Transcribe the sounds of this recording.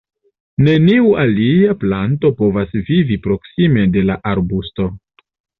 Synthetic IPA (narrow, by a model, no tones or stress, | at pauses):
ne̞niuʔaliaplanto̞po̞vasvivipɾo̞ksime̞de̞laʔaɾbusto̞